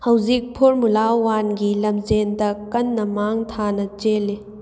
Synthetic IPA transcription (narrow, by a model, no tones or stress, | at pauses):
hɐwzik̚pʰoɾmulawanɡilɐmzendɐkɐnːɐmaŋtʰanɐt͡ʃele